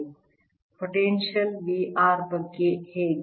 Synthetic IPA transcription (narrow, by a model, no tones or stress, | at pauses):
poʈẽnʃəlʋiːʔaːɾbəɡeheː